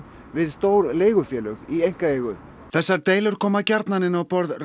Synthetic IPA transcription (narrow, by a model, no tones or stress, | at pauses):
vɪðst̪oːwɾleːjɣʏfjɛːlœɣiejŋ̥kaeːjɣʏ | θɛsːaɾt̪eːjlʏɾ̥kʰɔːmacaɾt̪nanɪnawpɔɾðr